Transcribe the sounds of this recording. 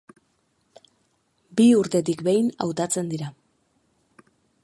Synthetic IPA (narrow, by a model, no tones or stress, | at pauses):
biuɾt̪e̞t̪̬ikbe̞jna̰wt̪at͡se̞nd̪iɾa